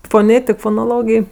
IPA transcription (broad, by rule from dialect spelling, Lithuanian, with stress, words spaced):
foːˈnʲeːtʲɪk foːnoːˈlˠoːɡʲeːj